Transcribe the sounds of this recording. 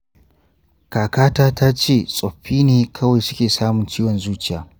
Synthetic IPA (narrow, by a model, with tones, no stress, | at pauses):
kaː˨kaː˦taː˦ta˦t͡ʃeː˦˨sʼɔ˨ɸːiː˦neː˨kʰɐ˦wa˨jsʊ̥˦kʲeː˨saː˦mʊ˨nt͡ʃiː˦wɔ˨nzuː˦t͡ʃɪ˦˨jaː˨˦